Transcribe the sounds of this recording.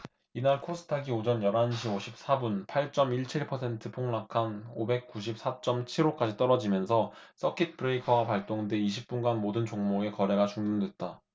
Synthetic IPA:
inaɭkʰosʰɯ̥tʰaɡiod͡ʑʌnjʌɾɦanɕʰioɕʰip̚s͈abunpʰaɭt͡ɕ͈ʌmiɭt͡ɕʰiɭpʰʌsʰe̞ntʰɯpʰoŋnakʰanobek̚k͈uɕ̬ʰip̚s͈ʰat͡ɕ͈ʌmt͡ɕʰiɾok͈ad͡ʑit͈ʌɾʌd͡ʑimjʌnsʰʌ | s͈ʌkʰit̚pʰɯɾeikʰʌwapaɭt͈oŋde̞iɕʰip̚p͈unɡanmodɯnt͡ɕoŋmoe̞kʌɾe̞ɡat͡ɕuŋnɯndwe̞t̚t͈a

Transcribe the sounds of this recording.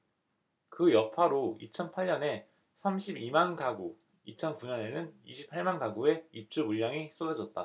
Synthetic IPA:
kɯjʌpʰaɾoḭt͡ɕʰʌnpʰaʎːʌne̞ | sʰamɕʰibimankaɡu | it͡ɕʰʌnkuɲʌne̞nɯnḭɕʰi̥pʰːaɭmankaɡue̞ip̚t͡ɕ͈ubuʎːaŋis͈ʰodad͡ʑʌt̚t͈a

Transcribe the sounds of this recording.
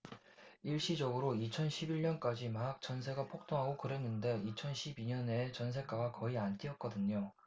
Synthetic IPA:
iɭɕ͈id͡ʑʌɡɯɾoit͡ɕʰʌnɕʰibiɭɲʌnk͈ad͡ʑimaɦak̚t͡ɕ͈ʌnsʰe̞ɡapʰok̚t͈ʰoŋɦaɡokɯɾe̞nːɯnde̞it͡ɕʰʌnɕʰibiɲʌne̞t͡ɕʌnsʰe̞k͈aɡakʌiant͈iʌt̚k͈ʌdɯɲo

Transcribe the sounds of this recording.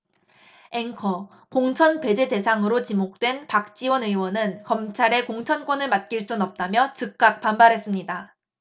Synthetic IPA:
e̞ŋkʰʌ | koŋt͡ɕʰʌnpe̞d͡ʑe̞de̞sʰaŋɯɾot͡ɕimok̚t͈we̞npak̚t͡ɕ͈iwʌnɯwʌnɯnkʌmt͡ɕʰaɾe̞koŋt͡ɕʰʌnk͈wʌnɯɭmat̚k͈iɭs͈unʌp̚t͈amjʌt͡ɕɯk̚k͈ak̚p͈ambaɾɦe̞s͈ɯmɲida

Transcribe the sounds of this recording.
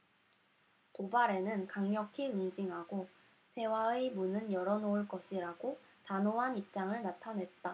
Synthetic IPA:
kobaɾe̞nɯnkaŋɲʌkʰiɯŋd͡ʑiŋɦaɡo | te̞waemunɯnjʌɾʌnouɭk͈ʌɕʰiɾaɡo | tanoɦanip̚t͡ɕ͈aŋɯɭnatʰanɦe̞t̚t͈a

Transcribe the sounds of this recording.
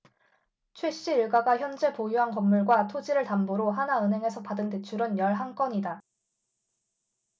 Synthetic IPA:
t͡ɕʰweɕ͈iːɭɡaɡaçjʌnd͡ʑe̞pojuɦankʌmːuɭɡwatʰod͡ʑiɾɯɭtamboɾoɦanaɯnɦe̞ŋe̞sʰʌpadɯnte̞t͡ɕʰuɾɯnjʌɭɦaŋk͈ʌɲida

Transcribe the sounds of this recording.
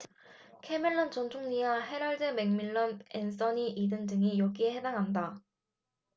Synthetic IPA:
kʰe̞mɯɭːʌnt͡ɕʌnt͡ɕʰoŋɲiwaɦe̞ɾaɭdɯme̞ŋmiɭːʌnens͈ʰʌniʔidɯndɯŋijʌɡiehe̞daŋɦanda

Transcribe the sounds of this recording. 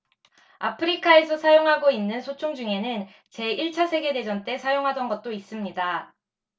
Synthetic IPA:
apʰɯɾikʰae̞sʰʌsʰajoŋɦaɡoinːɯnsʰot͡ɕʰoŋd͡ʑuŋe̞nɯn | t͡ɕe̞iɭt͡ɕʰasʰe̞ɡe̞de̞d͡ʑʌnt͈e̞sʰajoŋɦadʌnɡʌt̚t͈ois͈ɯmɲida

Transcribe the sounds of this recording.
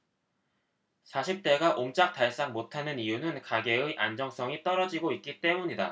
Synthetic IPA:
sʰaɕʰip̚t͈e̞ɡaʔoŋt͡ɕ͈ak̚t͈aɭs͈aŋmotʰanɯnijunɯnkaɡe̞ɯʔand͡ʑʌŋs͈ʰʌŋit͈ʌɾʌd͡ʑiɡoit̚k͈it͈e̞muɲida̰

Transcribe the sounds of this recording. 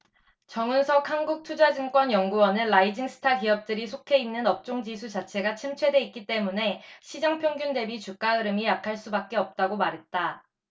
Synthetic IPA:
t͡ɕʌŋɯnsʰʌkhanɡuk̚tʰud͡ʑad͡ʑɯŋk͈wʌnjʌŋɡuwʌnɯnːaid͡ʑiŋsʰɯ̥tʰakiʌp̚t͈ɯɾisʰokʰe̞inːɯnʌp̚t͡ɕ͈oŋd͡ʑisʰud͡ʑat͡ɕʰe̞ɡat͡ɕʰimt͡ɕʰwe̞de̞it̚k͈it͈e̞mune̞ɕʰid͡ʑaŋpʰjoŋɡjunde̞bit͡ɕuk͈aɯɾɯmijakʰaɭs͈ubak̚k͈e̞ʌp̚t͈aɡomaɾɦe̞t̚t͈a

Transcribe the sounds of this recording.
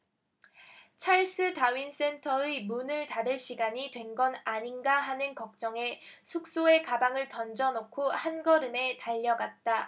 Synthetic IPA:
t͡ɕʰaɭs͈ɯtaɥins͈e̞ntʰʌemunɯɭtaɾɯɕ͈iɡaɲitwe̞nɡʌnaɲinɡaɦanɯnkʌk̚t͡ɕ͈ʌŋe̞sʰuk̚s͈oe̞kabaŋɯɭtʌnd͡ʑʌnokʰohanɡʌɾɯme̞taʎːʌɡat̚t͈a

